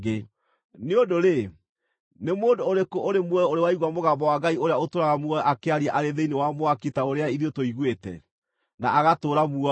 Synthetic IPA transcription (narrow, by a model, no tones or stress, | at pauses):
ɡe | neodoɾe | nemoːndoːɾekoʔoɾemwɛoɾewaiɣwamoɣambɔwaɡaioɾeaotoɾaɣamuɔʔakeaɾiaʔaɾeðeinewamoaketaoɾeaiðotoiɣwetɛ̰ | naʔaɣatoːɾamuɔ